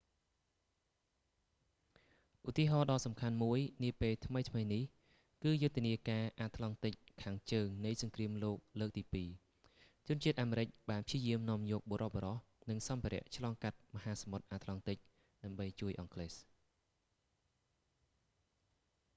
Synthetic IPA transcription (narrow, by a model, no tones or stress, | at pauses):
ʔut̪iəɦɑːɗɑːsɑmkʰanmuəjniəpeːlt̪ʰməjt̪ʰməjnih | kɨːjʊt̪ːeəniəkaːʔaːt̪ʰlɑŋt̪ɨc̚kʰaːŋt͡ɕəːŋnɨjsɑŋkriəmloːk̚ləːk̚t̪iːpiː | t͡ɕʊənt͡ɕiət̪̚ʔaːmeːɾɨc̚ɓaːnpʰiəjiəmnŏəmjɔːk̚ɓoːɾʔohɓoɾɑh | nɨŋsɑmpʰiəɾɛ̆əʔt͡ɕʰlɑːŋkat̪̚məhaːsɑmot̪̚ʔaːt̪ʰlɑŋt̪ɨc̚ | ɗaəmɓəjt͡ɕuəjʔɑŋkʰles